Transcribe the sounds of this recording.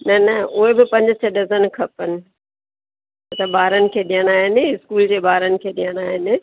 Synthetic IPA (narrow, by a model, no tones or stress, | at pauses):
nɐnɐʊɦebɪpɐ̃ɲd͡ʑɪsɐɗɐzənɪ̆kʰɐpənɪ̆ | ɐt̪ɐbaːɾənɪ̆kʰeːɗijəɽ̃aːɦɪnɪ̆ɪskuːld͡ʑeːbaːɾənɪ̆kʰeːɗijəɽ̃aːɦɪnɪ̆